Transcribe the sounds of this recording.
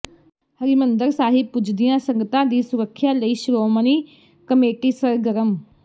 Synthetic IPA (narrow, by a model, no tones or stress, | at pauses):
həɾimənd̪əɾsaːɦɪb̚pʊd͡ʒd̪ɪjãːsəŋɡət̪ãːd̪iːsʊɾəkʰːjaːləiːʃʊɾoːməniː | kəmeːʈiːsəɾɡəɾəm